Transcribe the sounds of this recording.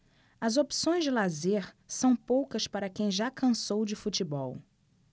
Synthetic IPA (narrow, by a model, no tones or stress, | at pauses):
ɐzopsõj̃zd͡ʒɪlazeɾ | sɐ̃w̃powkɐspaɾɐkẽj̃ʒakɐ̃sowd͡ʒɪfut͡ʃibɔw